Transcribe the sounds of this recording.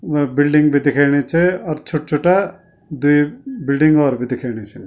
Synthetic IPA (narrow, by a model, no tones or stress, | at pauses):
bɪlɖɪ̃ŋɡbʱid̪ɪkʰaɽ̃it͡ʃʰɛɔɾt͡ʃʰʊʈ̚t͡ʃʰuʈa | d̪uibɪlɖɪ̃ŋɡɔːɾbʱid̪ɪkʰaːɽ̃it͡ʃʰɛ